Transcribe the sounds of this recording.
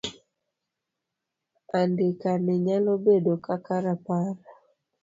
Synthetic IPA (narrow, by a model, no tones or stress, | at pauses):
andekanɛɲalobedokakaɾapaɾa